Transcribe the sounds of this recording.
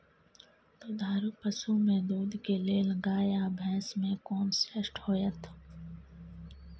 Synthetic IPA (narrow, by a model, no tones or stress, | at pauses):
t̪oːd̪ʱaːɾuːpəsumẽd̪uːd̪ʱkeleːləɡaːjabʱɛ̃ːsmẽkoːnseʃʈhoːjət̪ʰ